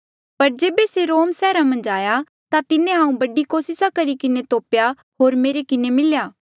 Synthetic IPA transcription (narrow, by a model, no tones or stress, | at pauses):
pɐɾd͡ʒeːbeseɾoːmsɛːɾamɐ̃nd͡ʒaːja | t̪at̪ɪnẽɦãːũbɐɖikoːsɪsakɐɾikɪnet̪oːpja | ɦoːɾmeːɾekɪnemɪljaː